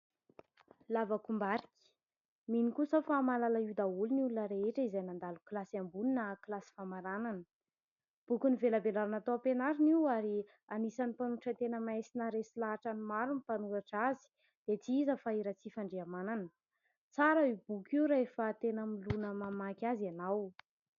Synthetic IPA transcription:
lavakumbaɾikʲi̥ | minikusofamalalaiwd̪auluniulunəɾeeʈ͡ʂəizajnand̪aluklasiambuninəklasi̥famaɾananə | b̥ukʲunivelabelaɾanat̪owpenaɾiniwaɾi | anisanipanuaʈ͡ʂət̪enəmajsinaɾesilaɦaʈ͡ʂanimaɾunipanuɾaʈ͡ʂazi̥ | d̪̥et͡siizəfaiɾat͡sifaɳɖ͡ʐeamananə | t͡saɾəib̥ukʲiwɾaefat̪enəmilunəmamakʲazanaw

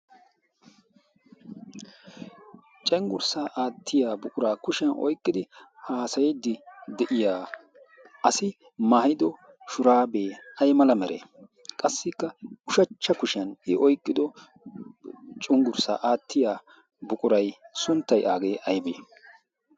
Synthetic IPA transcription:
t͡ʃʼɛŋɡʊɾsaːʔaːt̪ʰːɪjaːbʊkʼʊɾaːkʊʃɐnʔɔ̰jkʼːɪd̪ɪhaːsɐjɛd̪ɪd̪ɛʔɪjaː | ɐsɪ | maːɪd̪ɔ | ʃʊɾaːbeːʔɐjmɐlɐmɛɾʔḛ | kʼɐsːɪkːɐʊʃɐt͡ʃːɐkʊʃɪɐnɪʔɔjkʼːɪd̪ɔ | t͡ʃʼʊŋɡʊɾsa̰ːʔaːt̪ːɪjaː | bʊkʼʊɾɐjsʊnt̪ːɐjʔaːɡe̞ːʔɐjbḛː

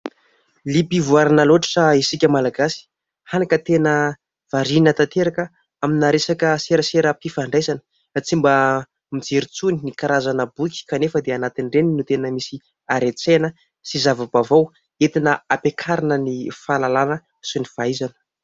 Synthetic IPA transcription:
lipivuaɾanəloaʈ͡ʂḁʈ͡ʂəisikʲəmalaɡasi̥ | hanakət̪enə | v̥aɾinət̪at̪eɾakə | aminaɾesakəseɾəseɾəpifaɳɖ͡ʐajzanə̥ | t͡simba | mid͡zeɾit͡suninikaɾazanəbukʲi̥kanefəd̪eanat̪inreninut̪enəmisi | aɾet͡senə | sizavabavaw | et̪inəapekʰaɾanənifalalanə | sunifaizanə̥

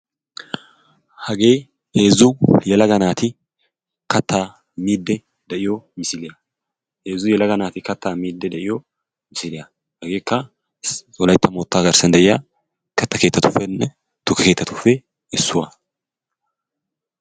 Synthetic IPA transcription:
hɐɡe̞ː | e̞ːzʊjɛlɐɡɐnaːt̪ɪ | kɐt̪ʰːaː | miːd̪ːɛ | d̪ɛʔɪjɔmɪsɪlɪja | ʔe̞ːzːʊjɛlɐɡɐnaːt̪ɪkɐt̪ːaːmiːd̪ːɛd̪ɛʔɪjɔ | mɪsɪlɪjɐ | hɐɡe̞ːkːɐ | sʼɔlɐjt̪ːɐmoːt̪ːaːɡɐɾsɐnd̪ɛʔɪjaː | kɐt̪ːɐke̞ːt̪ːɐt̪ʊfːɛnːɛ | t̪ʊkːɐke̞ːt̪ːɐt̪ʊfːɛ | ɛsːʊwa

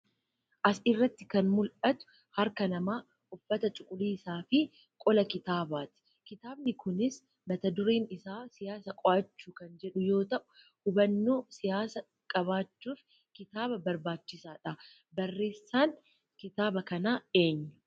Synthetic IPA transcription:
ʔɐsɪrːɐt̪ːɪ̥kɐnmʊlʔɐt̪ʊ̥ | hɐɾkɐnɐmaː | ʔʊfːɐt̪ɐt͡ʃʼʊkʼʊliːsaːfɪ | kʼɔlɐkɪt̪aːbaːt̪ɪ̥ | kɪt̪aːbnɪkʰʊnɪs | mɐt̪ɐd̪ʊɾeːnɪsaːsɪjaːsɐkʼɔʔɐt͡ʃːuːkɐnd͡ʒɛᶑʊjo̞ːt̪ɐʔʊ̥ | hʊbɐnːoːsɪjaːsɐ | kʼɐβaːt͡ʃːuːf | kɪt̪aːbɐbɐɾbaːt͡ʃːɪsaːᶑɐ | bɐrːe̞ːsːaːn | kɪt̪aːbɐkɐnaːe̞ːɲːɐ̥

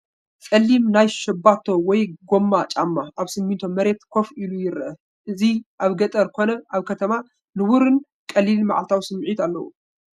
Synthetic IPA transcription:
kʼɐlːimnajʃɐbːat̪ʰo̞wɔjɡomːat͡ʃʼamːaʔaβsɨmːint̪ʰomɐɾe̞t̪kʰo̞filujɪɾʔɐ | ʔɨziʔaβɡɐt̪ʼɐɾkʰo̞nɐʔaβkʰɐt̪ʰɐma | nɨwuɾɨn | kʼɐlːilma̰ʕalt̪ʰawsɨmʕit̪alːɐwṵ

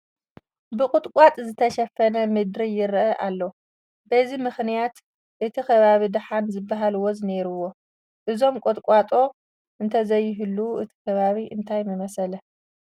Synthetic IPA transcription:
bɨkʼʊt̪ʼkʷʼat̪ʼzɨt̪ʰɐʃɐfɐnɐmɨd̪ɾijɪɾʔɐʔalːo | bɐzimɨxnijat̪ | ʔɨt̪ʰikʰɐβaβid̪ɨħanzɨbːaɦaluwo̞zɨneɾuwo̞ | ʔɨzo̞mkʼot̪ʼkʷʼat̪ʼo̞ | ʔɨnt̪ʰɐzɐjːɪɦɨlːuʔɨt̪ʰi̥kʰɐβaβiʔɨnt̪ʰajmɨmɐsɐlɐ

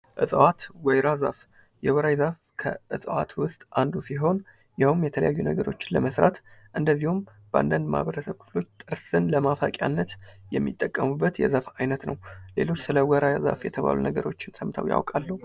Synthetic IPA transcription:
ʔɨsʼəwat̪wɔjɾaza̰f | jɛwəɾajzaf | kʰəɨsʼəwat̪wʊst̪ʼʔand̪usiɦo̞n | jawmjɛt̪ʰələjajːunəɡəɾo̞t͡ʃːɪ̥nləməsɾat̪ʔɨnd̪əzːihum | bəʔa̰nd̪and̪ma̰βəɾəsəβkʰɨ̥flo̞t͡ʃːt̪ʼɨɾsɨnləmafakʼja̰nːət̪jɛmːit̪ʼːəkʼːəmubːət̪jɛ̰zafajnət̪nəwle̞lo̞t͡ʃːsɨləwəɾʔajza̰fjɛt̪ʰəβa̰lṵnəɡəɾo̞t͡ʃːɪnsəmt̪ʰəwja̰wkʼalːəhu

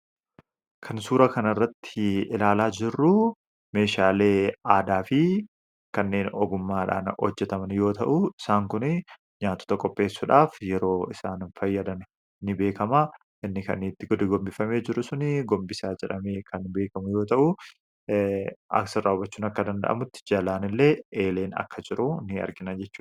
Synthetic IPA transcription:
kʰɐnsuːɾɐkɐnɐrːɐt̪ːɪɪlaːlaːd͡ʒɪrːʊ | me̞ːʃaːle̞ːaːd̪aːfɪ | kɐnːe̞ːnɔɡʊmːaːᶑa̰ːnhɔ̰d͡ʒːɛt̪ɐmɐnjo̞ːt̪ɐʔʊɪsaːŋkʊnɪ | ɲaːt̪ːɔ̥t̪ɐkʼɔpʼːe̞ːsːʊᶑaːfjɛɾo̞ːɪsaːnnfɐjːɐd̪ɐn | nɪbe̞ːkɐmɐ | ʔɪnːɪkɐ̰nɪt̪ːɪɡɔd̪ɪɡɔmbɪfɐme̞ːd͡ʒɪɾʊsʊnɪɡɔmbɪsaːd͡ʒɛᶑɐme̞ːkʰɐnbe̞ːkɐmʊjo̞ːt̪ɐʔʊ | ʔɐ̰ksɪrːaːʊbɐt͡ʃːʊːnɐkːɐd̪ɐnd̪ɐ̰ʔɐ̰mʊt̪ːɪ̥d͡ʒɐlaːnɪlːe̞ːʔeːle̞ːnɐ̰kːɐd͡ʒɪɾʊnɪɐ̰ɾɡɪnɐd͡ʒɛt͡ʃːuː

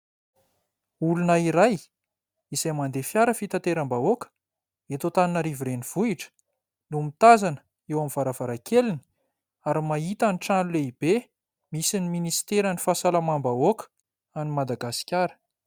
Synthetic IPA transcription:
ulunaiɾaj | izajmand̪efjaɾəfit̪at̪eɾambaokə̥ | et̪ot̪aninaɾivuɾeniv̥uiʈ͡ʂə̥ | numit̪azanə̥ | ewamiv̥aɾavaɾakelini̥ | aɾimait̪aniʈ͡ʂanuleib̥e | misiniminisi̥t̪eɾanifasalamambaokə̥ | animad̪aɡasi̥kʲaɾə̥

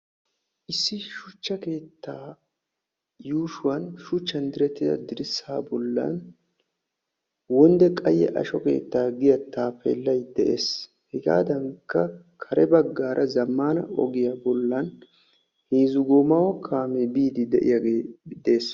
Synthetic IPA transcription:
ʔɪsːɪʃʊt͡ʃːɐke̞ːt̪ːaː | juːʃʊwɐnʃʊt͡ʃːɐnd̪ɪɾɛt̪ːɪd̪ɐ̰d̪ɪɾɪsaːbɔlːɐ̰n | wɔnd̪ɛkʼɐjːɛ̰ʔɐ̰ʃɔke̞̰ːt̪ːaːɡɪjɐt̪ːaːpɛ̰lːɐjd̪ɛʔeːs | hɛɡa̰ːd̪ɐŋkːɐ | kʰɐɾɛbɐɡːaːɾʔɐzɐmːaːnɐ̰ɔ̰ɡɪjabɔlːɐn | heːzʊɡoːmɐwɔkʰaːmebiːd̪ɪd̪ɛʔɪ̰jaɡeːd̪e̞ːs

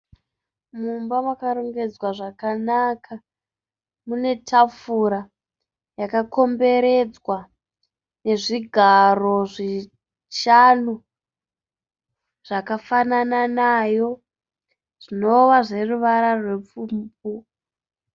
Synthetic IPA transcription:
mumbamwakaɾoŋɡe̞d͡zwaʐakanakʰa | mune̞tʰafuɾa | jakako̞mbe̞ɾe̞d͡zwa | ne̞ʐiɡʱaro̞ʐi | ʃanu | ʐ̥akafanananajo̞ | ʐ̥ino̞ʋaʐe̞ruʋaɾarwe̞p͡fumpu

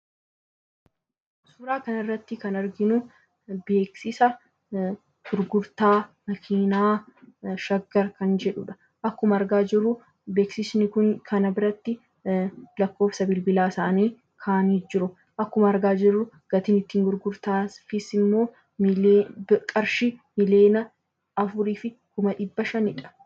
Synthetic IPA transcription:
suːɾaːkɐnɪrːɐt̪ːɪkɐnɐɾɡɪnʊ | be̞ːksɪsɐ | ɡ̥ʊɾɡʊɾt̪aːmɐkʰiːnaː | ʃɐɡːɐɾkɐnd͡ʒɛᶑʊᶑɐ̥ | ʔɐkːʊmɐɐɾɡaːd͡ʒɪrːʊ | beːksɪsnɪkʊnkʰɐnɐbɪɾɐt̪ːɪ | lɐkːo̞ːfsɐbɪlbɪlaːɪsaːniː | kʰaːniːd͡ʒɪɾʊ | ʔɐkːʊmɐːɾɡaːd͡ʒɪrːʊ | ɡ̥ɐt̪ɪnɪt̪ːiːŋɡʊɾɡʊɾt̪aːsfɪsɪmːo̞ː | kʼɐɾʃɪmɪle̞ːnɐ | ɐfʊɾiːfɪkʊmɐᶑɪbːɐʃɐnɪᶑɐ̥

